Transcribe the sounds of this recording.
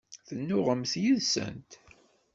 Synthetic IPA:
θənːʊʁəmθjiðsə̰nt̪

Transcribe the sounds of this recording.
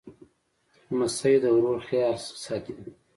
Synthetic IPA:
masajd̪əwɾoɾxjɑɾsɑt̪i

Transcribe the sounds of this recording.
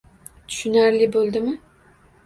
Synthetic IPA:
t̪ʰy̥ʃynaɾlɪbolˠd̪ɪmɪ

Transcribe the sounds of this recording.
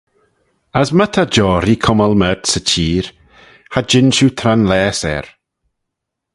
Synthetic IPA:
asmət̪ʰad͡ʒɔːɾikʰʊməlmətsət͡ʃʰiːɾ | had͡ʒɪnʃut̪ʰɾanlɛːsɛ̰ɾ

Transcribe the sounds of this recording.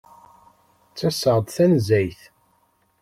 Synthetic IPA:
t͡sːæsəʁd̪ˤθænzæjθ

